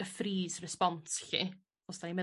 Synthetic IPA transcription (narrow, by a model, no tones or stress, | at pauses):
əfriːsrɛspɔntɬḭ | ɔsd̥animɛ